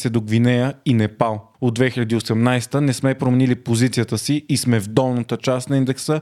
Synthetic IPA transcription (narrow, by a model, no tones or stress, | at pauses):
sɛd̪oɡvinɛjəinɛpalˠ | od̪vɛxilʲɐd̪iosɛmnajst̪ənɛsmɛpɾomɛnilipozit̪sijət̪əsiːsmɛvd̪ɔlˠnət̪ət͡ʃast̪nɐind̪ɛksə